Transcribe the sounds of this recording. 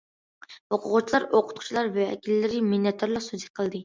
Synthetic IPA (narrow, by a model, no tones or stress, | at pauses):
oqʰʊʁʊt͡ʃʰilˠɑɾoqʰʊ̥t̪̚ʰu̥t͡ʃʰilˠɑɾvɛɛ̰kʲilːɪɾɪminːɛt̪ʰːæɾlˠɑsuziqʰəlˠd̪ɨ